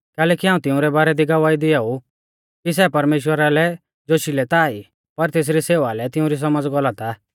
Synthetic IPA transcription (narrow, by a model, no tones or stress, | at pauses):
kɛːlɛːkiɦãːũt̪ɪʊ̃ɾɛbaːɾɛd̪ʱiɡɐʋaːid̪ɪau | kis̬ɛpɐɾmeːʃwəɾalɛ | d͡ʒoːʃilɛt̪ai | pɐɾt̪eːs̬ɾiseːʋalɛt̪ɪʊ̃ɾis̬ɐməd͡zɡɔlat̪a